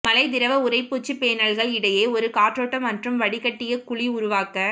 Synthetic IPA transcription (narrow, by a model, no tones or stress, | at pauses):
mɐlɐɪd̪ɪɾɐʋɐʊɾɐɪpːuːt͡ʃːɯpeːnɐɭɣɐɭɪɽɐjeːɔɾɯkaːʈɾoːʈːɐmːɐndrɯmʋɐɽɪkɐʈːɪjɐkʊɭiʊɾʊʋaːkɐ